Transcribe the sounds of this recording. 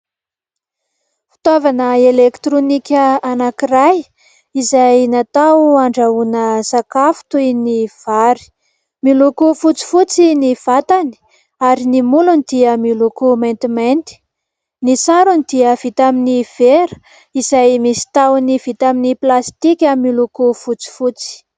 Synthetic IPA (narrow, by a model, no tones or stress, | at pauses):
fi̥t̪avanəelekt̪ɾonikʲəanakiraj | izajnat̪awaɳɖ͡ʐaunəsakafu̥t̪ujniv̥aɾi̥ | milukufut͡si̥fut͡siniv̥at̪ani̥ | aɾinimulunid̪̥iəmilukument̪iment̪i̥ | nisaɾunid̪̥iəvit̪aminiv̥eɾə̥ | izajmisi̥t̪awniv̥it̪aminiplast̪ikʲamilukufut͡si̥fut͡si̥